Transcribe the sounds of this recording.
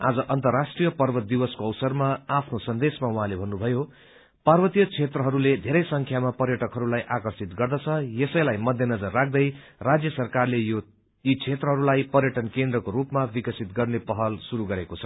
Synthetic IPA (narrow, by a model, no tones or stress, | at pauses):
a̰d͡zʌʔʌnt̪ʌrːasʈrijʌpʌrbʌt̪̚d̪iwʌskoʌwsʌrmaapʰnosʌnd̪esmawũɦãlebʱʌnːubʱʌjo | parbʌt̪ijʌt͡sʰet̪rʌɦʌɾuled̪ʱeɾʌjsʌŋkʰjamapʌrjʌʈʌkɦʌɾulajʔakʌrsit̪ɡʌrd̪ʌt͡sʰʌjesʌjlajmʌd̪ʱjʌnʌd͡zʌrːak̚ʰd̪ʌj | rad͡zjʌsʌrkarlejo | it͡sʰet̪rʌɦʌɾulajpʌrjʌʈʌnkend̪rʌkoɾupmabikʌsit̪ɡʌrnepʌɦʌlsuɾuɡʌɾekot͡sʰʌ̥